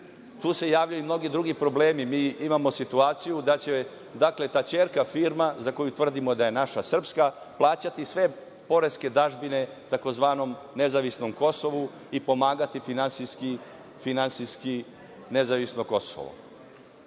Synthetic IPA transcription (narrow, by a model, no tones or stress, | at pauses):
t̪uːse̞jaːʋʎajumno̞ɡid̪ɾuɡipɾo̞ble̞ːmimiːimamo̞sit̪uaːt̪sijud̪at͡ɕe | d̪akle̞t̪at͡ɕe̞ːɾkafiːɾmazako̞jut̪vr̩d̪imo̞d̪aje̞naʃasr̩pska | plˠaːt͡ɕat̪isʋe̞ | po̞ɾe̞ske̞d̪aʒbine̞ | t̪ako̞zʋaːno̞m | nezaʋisno̞mko̞so̞ʋu | ipo̞maːɡat̪ifinansiski | finansiski | nezaʋisnoko̞so̰ʋo̰